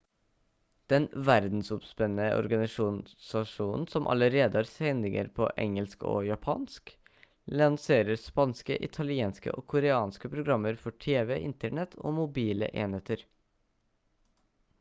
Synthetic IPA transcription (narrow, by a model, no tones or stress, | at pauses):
d̪̥ɛnʋæɾd̪n̩sɔpspɛnːəʔɔ̰ɾɡɑnɪʃuːnsɑʂuːnn̩sɔmʔɑ̰ləɾeːd̪əhɑːɾsɛnd̪ɪŋə̰ɾpʰo̰ʔɛ̰ŋəlsko̰ːjɑpʰɑ̰ːnsk | lɑnseːɾəɾspɑnskə̰ʔɪt̪ʰɑlɪeːnskə̰ʔoːkʰʊɾəɑːnskəpʰɾʊɡɾɑmːəɾfɔʈʰeːʋɛʔɪnt̪əɳɛt̪ʰo̰ːmʊbiːlə̰ʔeːnheːt̪əɾ